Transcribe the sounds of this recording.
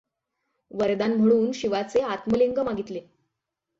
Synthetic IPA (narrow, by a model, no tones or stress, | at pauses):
ʋəɾd̪anm̤əɽ̃uːnɕiʋat͡seat̪məliŋɡəmaɡit̪le